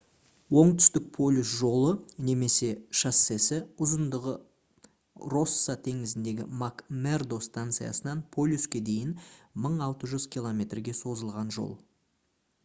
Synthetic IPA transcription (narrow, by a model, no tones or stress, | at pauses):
wo̞ɴt̪ʏ̥st̪ɪk̚pʰo̞lʲusʒo̞lˠəne̞me̞se̞ʃasːe̞sɪʊzənd̪əʁə | ro̞sːat̪ʰe̞ŋɪzɪnd̪e̞ɡʲɪ̰makme̞rd̪o̞st̪ant̪sɨja̰sənɑnpʰo̞lʲjuskʲe̞d̪e̞jɪnməɴɑlˠt̪əʒʏz̥kʲʰilˠo̞mʲe̞t̪rɡʲe̞so̞zəlˠʁɑnʒo̞̰lˠ